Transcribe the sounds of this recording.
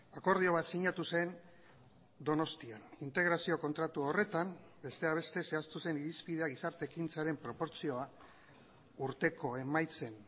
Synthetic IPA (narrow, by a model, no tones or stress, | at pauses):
ako̞ɾð̞io̞βat̪siɲat̪use̞n | d̪o̞no̞st̪ianint̪e̞ɣɾasio̞ko̞nt̪ɾat̪uo̞re̞t̪am | be̞st̪e̞aβ̞e̞st̪e̞se̞ast̪use̞niɾispið̞e̞aɣ̞isaɾt̪e̞kint͡saɾe̞mpɾo̞po̞ɾt͡sio̞a | uɾt̪e̞ko̞e̞majt͡se̞n